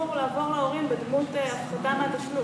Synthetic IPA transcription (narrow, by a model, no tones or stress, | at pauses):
uʁlaːvo̞ʁleo̞ʁimbed̪mut̪eafsad̪ameat̪aʃlu